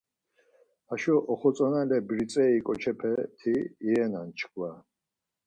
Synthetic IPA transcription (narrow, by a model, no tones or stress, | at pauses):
aʃɔʔɔχɔt͡sʼɔnalɛbɾit͡sʼɛikʼɔt͡ʃʰɛpʰɛt̪ʰiːɛnant͡ʃʰkʰwa